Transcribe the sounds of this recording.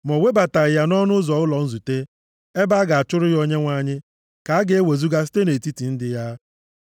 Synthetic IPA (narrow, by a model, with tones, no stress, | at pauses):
mɔ˨we˦ba˨ta˨ja˦nɔ˦nʊ˦zɔ˨ɣʊ˦lɔ˨n̩˦zu˨te˦ | e˦ba˦a˦ɡa˨a˨t͡ʃʊ˦ɾʊ˦jo˦ɲe˦ŋʷa˦ɲɪ˦ | ka˨a˦ɡe˦we˨zu˦ɡa˦si̥˦te˦ne˨ti˦ti˨n̩˦dɪ˨ja˦